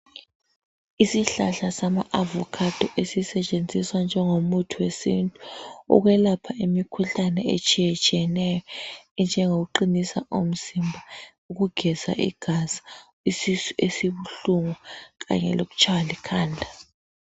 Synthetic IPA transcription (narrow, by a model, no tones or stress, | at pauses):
isiɬaɬasama̰ʔavɔkʰad̥ʱɔʔesisɛt͡ʃʼend͡zʱiswand͡ʒʱɛŋomutʰuwesḭntʼu̥ṵɣ̬wɛlapʰaʔimikʰuɬanɛḛt͡ʃʼijɛt͡ʃʼijɛnɛjɔnd͡ʒʱɛŋoɣ̬uǃinisa̰ʔom̩zimbʱa | uɣ̬uɡ̥ʱɛza̰ʔḭɡ̥ʱaz̥ḁ | isisuʔesiβuɬuŋuk̬a̰ɲɛ̰lok̬u̥t͡ʃʰʼawalikʰaːndʱa